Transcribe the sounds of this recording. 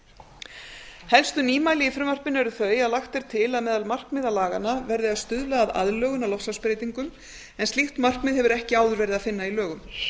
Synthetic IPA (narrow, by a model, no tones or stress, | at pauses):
hɛlst̪ʏniːmaːjlɪifɾʏmvar̥pɪnːʏɛɾʏθœːɥjaðlaxt̪ɛɾ̥t̪ʰɪlaðmɛːðalmar̥kmɪːðalaːɣanːavɛɾðɪaðst̪ʏðlɛaða̰ðlœːɣʏnawlɔfsaspɾejt̪iŋkʏm | ɛnsixt̪mar̥kmɪːðhɛvʏɾɛhcɪaːwðʏɾvɛːɾɪðaðfɪnːailœːɣʏm